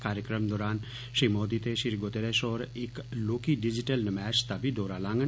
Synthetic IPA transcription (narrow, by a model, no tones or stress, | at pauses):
kaːɾjəkɾəmd̪ɔːɾaːn | ʃɾiːmoːd̪it̪eʃiɾɡot̪eɾeʃɔːɾeːkloːkiɖid͡ʒiʈəlnəmɛːt͡ʃt̪abʱid̪ɔːɾalãːŋɡə